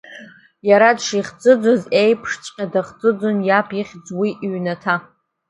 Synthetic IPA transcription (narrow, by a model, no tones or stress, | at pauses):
jaɾadʂiχt͡sʼɨd͡zʷazejpʰʂt͡sʷʼqʲʼadaχt͡sʼɨd͡zʷonjapʰiχʲd͡zwiʔɥnatʰa